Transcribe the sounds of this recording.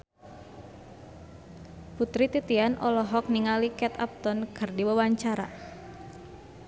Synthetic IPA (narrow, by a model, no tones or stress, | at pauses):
put̪ɾit̪it̪ianʔɔlɔɦɔk̚niŋalikɛt̪a̰p̚t̪ɔnkɨrdiwawaɲt͡ʃaɾa̰